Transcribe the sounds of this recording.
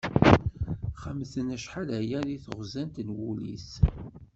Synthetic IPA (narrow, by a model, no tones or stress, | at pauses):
χəmθənæʃħalæjæðiθəʁzænt̪ənwulḭs